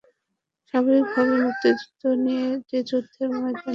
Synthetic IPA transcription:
ʃaɡoɾik̚bʱaβeut̪ːed͡ʑu̥t̪ːonijed͡ʑed͡ʑot̪ʰːemɔet̪a

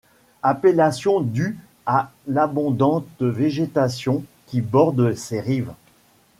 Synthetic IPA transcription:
apelasjɔ̃d̪y | alabɔ̃d̪ɑ̃t̪veʒet̪asjɔ̃kʲibɔʁd̪seʁiv

